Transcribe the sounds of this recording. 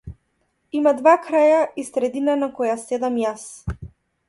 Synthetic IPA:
imad̪vakɾajaisɾɛd̪inanakɔjasɛd̪amjas

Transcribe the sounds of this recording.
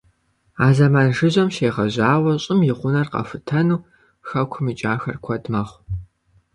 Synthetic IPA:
aːzɐmaːnʐɨʑʷɐmʃeːʁɐʑaːwɐɕʼɪmjɪʁʷʊnɐrqɐ̰fɨtʰɐnuː | xɐkʷʰʊmɨt͡ʃʼaːxɐ̰rkʷʰɐdmɐχʷ

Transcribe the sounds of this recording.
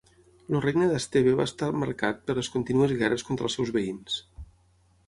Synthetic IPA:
lurejnəðəst̪eβeβa̰ːst̪aməɾkat̪̚pəɾləskunt̪inuəzɣɛrəskont̪ɾəlˠsɛwzβəins

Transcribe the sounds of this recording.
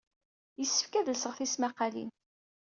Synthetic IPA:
jəsːə̥fkæðlsəʁθismæqɑlḭn

